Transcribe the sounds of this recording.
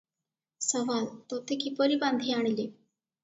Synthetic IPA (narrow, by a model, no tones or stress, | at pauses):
səʋalt̪ot̪ʰekipəɾibãnd̪ʱiaɳli